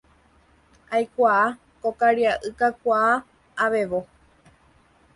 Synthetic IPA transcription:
ajkʷaː | kokaɾiaʔɨkakʷaː | ʋe̞ʋo

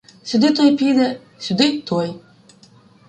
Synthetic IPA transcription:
sʲʊd̪ɪt̪ɔjpʲid̪ɛ | sʲʊd̪ɪt̪ɔj

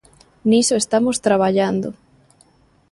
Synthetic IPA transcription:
nisoest̪amost̪ɾaβ̞aʎand̪o̰

